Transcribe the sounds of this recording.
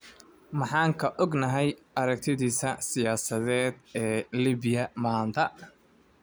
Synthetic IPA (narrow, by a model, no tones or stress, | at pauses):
mɑħɑːŋkʰɐʔɔɡnɐɦɛj | ɐɾɐk̚t̪ʰɪðiːsɐsɪjaːsɐðɛːd̪ɛːliːβɪjɐmaːnt̪ʰɐ